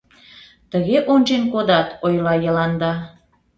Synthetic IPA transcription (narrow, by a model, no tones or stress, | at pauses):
t̪əɣeʔonʒenkod̪ɑt̪ojlɑjəlɑnd̪ɑ